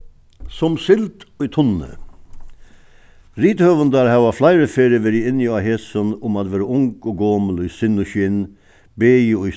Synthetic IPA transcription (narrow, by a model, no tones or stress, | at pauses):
sɔmsɪlt̪oit̪ʰɔnə̰ | ɾiːt̪hœʋənd̪æɾhɑʋɑflæɪɾəfeːɾəʋeɾiɪnjɑheːsɔnʊmɑd̪ʋeːɾəʊŋkoɡoːməlɔisɪnɔçɪn | beːɔi